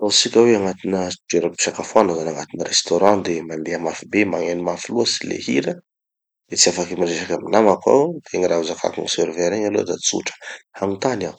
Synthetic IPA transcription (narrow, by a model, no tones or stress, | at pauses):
t̪asikʲəweaŋat̪inəd͡ʒeɾapi̥sakafuanazanaŋat̪inəɾest̪oɾɑ̃d̪emand̪eamafibemaŋenimafiluəsi̥lḛhiɾə | d̪̥et͡siafakimiɾeʃakʲaminamaka̰wt̪eŋiɾauzakʰa̰kuŋiseɾveɾeɲalo̰d̪at͡sṵʈ͡ʂə̥haŋut̪anaw